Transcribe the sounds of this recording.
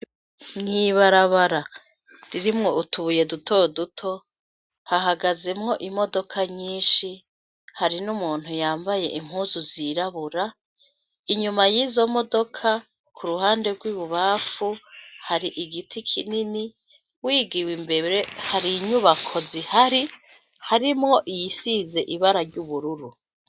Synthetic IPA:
ŋniβaɾaβaɾa | ɾiɾimŋo̞ʔutuβuje̞dutʰodutʰo̞ | haɦaɡaze̞mŋo̞ʔimo̞do̞kʰaɲiːnʃi | haɾinumuːn̥hujaːmbaje̞̰ʔim̥huːzuziɾaβuɾa | iɲumajizo̞mo̞do̞kʰa | kʰuɾuhaːnde̞ɾɡwiːβuβaːfuhaɾiʔiɡitʰikʰinini | wiːɡiwimbe̞ɾe̞haɾiɲuβakʰo̞zihaɾi | haɾimŋo̞ʔijisize̞ʔiβaɾaɾɟuβuɾuɾu

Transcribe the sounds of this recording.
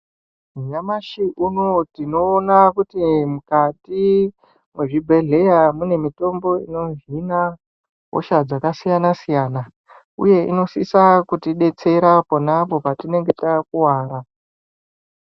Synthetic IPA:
ɲamaʃiʔunotino̞ːnakutimukati | mwe̞ʐibʱe̞ɮe̞jamune̞mito̞mbo̞ḭno̞ɦina | ɦo̰ʃad͡zakasijanasijaːna | ṵje̞ʔḭno̞sisakutiɗe̞t͡se̞ɾapo̞napo̞patine̞ŋɡe̞takuwaːɾa

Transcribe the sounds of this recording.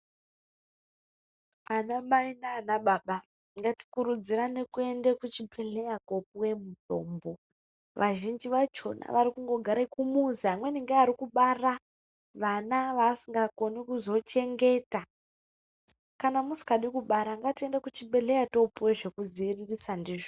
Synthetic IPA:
anamainaːnaɓaɓa | ŋɡati̥kuɾud͡ziɾane̞kue̞ndekut͡ʃibʱeɮejako̞pwe̞muto̰ːmbo̞ | ʋʔaʒind͡ʒiʋat͡ʃo̞̰na̰ʋaɾikuŋɡo̞ɡʱaɾaikumuzamweniŋɡeaɾikuɓara | ʋanaʋaːsiŋɡakonikuzo̞t͡ʃe̞ŋɡe̞ta | kanamusi̥kaɗikuɓaɾaŋɡatie̞ndekut͡ʃibe̞ɮejato̞puweʐe̞kud͡ziːririsandiːʐo

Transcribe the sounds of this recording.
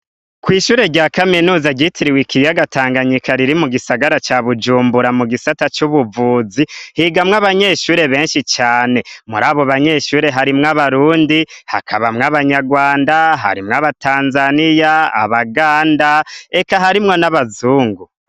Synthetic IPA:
kwiːʃuːɾe̞ɟaːkaminuːzaɟitʰiɾiwikijaɡataːŋɡaɲikaɾiɾimuɡisaɡaɾat͡ʃaːβud͡ʒuːmbuɾamuɡisatat͡ʃuβuvuːzihiɡamŋaβaɲe̞ːʃuːɾe̞βe̞ːnʃit͡ʃaːne̞muɾaːβo̞βaɲe̞ːʃuːɾe̞ɦaɾimŋaβaɾuːndiha̰kʰaβamŋaβaɲaɡwaːndaɦa̰ɾimŋaβatʰaːnzanijaa̰βaɡaːndae̞kaɦaɾimŋo̞naβazuːŋɡu

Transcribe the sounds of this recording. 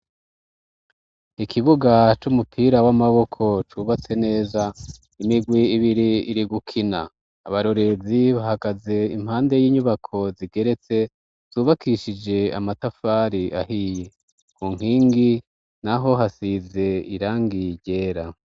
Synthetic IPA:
ikʰiβuɡat͡ʃumupʰiːɾawamaβo̞kʰo̞t͡ʃuːβat͡se̞ne̞ːza | imiɡwiːβiɾiiɾiɡukʰinaː | βaɾo̞ɾe̞ziβaɦaɡaze̞im̥haːnde̞jiːɲuβakʰo̞ziɡe̞ɾe̞t͡se̞ | z̥uːβakʰiʃid͡ʒe̞a̰matafaːɾiʔahije | kuːŋ̥hiːŋɡi | naɦo̞ɦasize̞iɾaːŋɡiɾɟe̞ːɾa

